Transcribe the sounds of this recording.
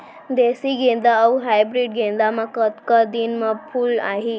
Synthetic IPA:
d̪esiɡend̪aːuɦajbɾiɖɡʱẽnd̪amakət̪kəd̪inməpʰuːlaɦi

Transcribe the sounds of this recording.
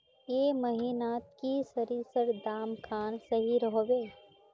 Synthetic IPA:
jeːmɐɦiːnaːt̪kisəɾiːsəɾd̪aːmkʰaːnsɐɦiɾəɦoʋeː

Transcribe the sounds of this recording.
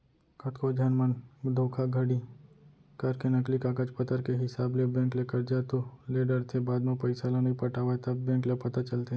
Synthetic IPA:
kʰɐt̪ʰkʰod͡ʒʱaːnmənd̪ʱoːkʰaɡʱəɽi | kɐɾkenɐklikaːkat͡ʃpɐt̪əɾkeɦɪsaːblebẽːŋklekəɾd͡ʒaːt̪oleːɖəɾt̪ʰebaːd̪mẽpɐɪsalanɐɦĩpɐʈaːʋaet̪ʰabẽːŋklepɐt̪at͡ʃɐlt̪e

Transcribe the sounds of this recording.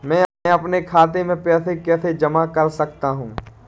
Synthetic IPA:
mɛ̃ːɐpnekʰaːt̪̬emẽpɛːsekɛːsed͡ʒɐmakɐɾsɐkt̪aɦũː

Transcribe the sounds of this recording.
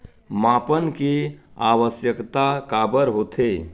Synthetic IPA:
mapənkeaʋəsjəkt̪akabəɾɦot̪ʰe

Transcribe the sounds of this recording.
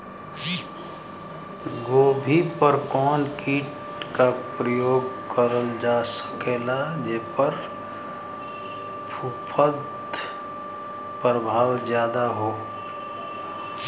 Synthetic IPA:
ɡoːbʱipəɾkɔːnkiːʈ | kapɾəjoːɡkəɾəld͡ʒaːsə̥keːlad͡ʒeːpəɾ | pʰupʰəd̪ | pɾəbʱaːwzjaːd̪aɦoː

